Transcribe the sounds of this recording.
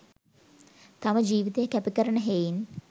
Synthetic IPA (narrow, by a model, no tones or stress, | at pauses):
t̪aməd͡ʒiːʋit̪ejəkæpikəɾəɳəɦejin